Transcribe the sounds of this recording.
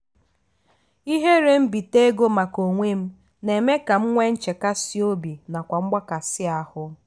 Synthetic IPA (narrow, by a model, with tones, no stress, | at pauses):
i˦ɦe˦ɾe˦m̩˦bi˨te˦ɡo˦ma˨ko˨ŋʷe˦m̩˦ | ne˨me˦ka˨m̩˦ŋʷe˦n̩˦t͡ʃe˨ka˦si˦o˦bi˨na˨kʷa˨ŋ͡m̩˦ɡ͡ba˦ka˨sɪ˦a˦hʊ˦